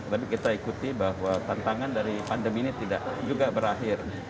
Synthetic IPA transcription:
t̪ət̪ap̬ikit̪aikut̪ibaɦwat̪ant̪aŋandaɾipandəminit̪ida̰ʔd͡ʒuɡabəɾaɦɪr

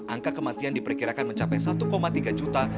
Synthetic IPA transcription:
ʔaŋkakəmat̪iandipərkiɾakanməɲt͡ʃapajsat̪ukomat̪iɡad͡ʒut̪a

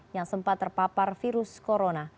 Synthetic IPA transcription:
jaŋsəmpat̪ːərpaparfiɾʊskoɾona

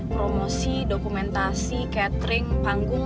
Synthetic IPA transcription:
pɾɔmɔsidɔkumɛnt̪asikat̪ɾiŋpaŋɡuŋ

